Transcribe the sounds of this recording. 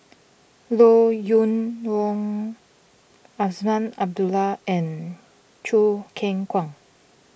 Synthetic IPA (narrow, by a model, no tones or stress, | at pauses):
lojunwɔŋ | asmanab̚dulaɛn | t͡ʃʰukʰɛŋkʰwaŋ